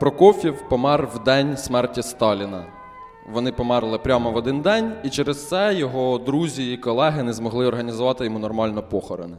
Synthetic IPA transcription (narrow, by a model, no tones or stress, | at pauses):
pɾɔkɔfʲiwpɔmɛrʋd̪ɛnʲsmɛrtʲist̪ɑlʲinɐ | ʋɔnɪpɔmɛrlˠɪpɾʲɑmɔʋɔd̪ɪnd̪ɛnʲit͡ʃɛɾest̪sɛjɔɦɔd̪ɾuzʲiːkɔlˠɛɦɪnɛzmɔɦlˠɪɔrɦɐnʲizʊʋɑt̪ɪjɔmunɔrmɑlʲnɔpɔxɔɾḛnɪ